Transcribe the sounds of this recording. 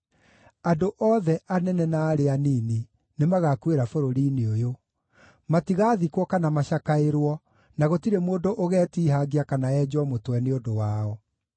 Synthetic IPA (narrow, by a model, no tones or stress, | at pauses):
adoʔɔðɛʔanɛnɛnaːɾeaniːni | nemaɣakueɾafoɾoɾiːneojo | matiɣaːðikwɔkanamaɕakaeɾwɔ | naɣotiɾemoːndoʔoɣɛːtiːɦaɡiakanaɛd͡ʑwɔmotwɛneodowaːɔ